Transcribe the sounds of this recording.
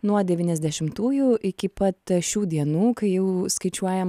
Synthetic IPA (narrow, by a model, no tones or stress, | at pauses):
nuɔd̪ʲɛʋʲiːnʲɛzʲd̪ʲɛʃʲɪmt̪uːjuʔɪkʲɪpɐt̪ʃʲuːd̪ʲiɛnuːkɐɪjɛʊskɐɪt͡ʃʲuɔjɛm